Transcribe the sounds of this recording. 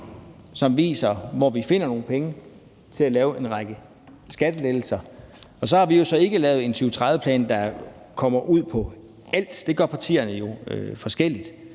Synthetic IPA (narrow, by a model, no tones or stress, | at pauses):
sɒ̽mʋḭːsɐʋɒʋife̝n̰ɐno̝ːn̩pʰeŋə | t͡sʰe̝lælɛːʊe̝nʁɑ̈ɡ̥ə | sɡ̥æd̥əle̥ːl̩sɐɒ̽sɒ̽hɑ̈ʋijo̝sɒ̽e̝ɡ̥əlɛːʊð̩ˠe̝nt͡sʰyːʊt͡sʰʁɑðˠəpʰlɛ̰ːnd̥ɑ̈kʰɒ̽m̰ɐʔuð̞̰ˠpʰɒ̽ | æl̰d̥d̥e̝ɡ̥ɶɐpʰɑ̈t͡sʰḭːɐnəjo̝øfɒ̽sɡ̥el̰id̥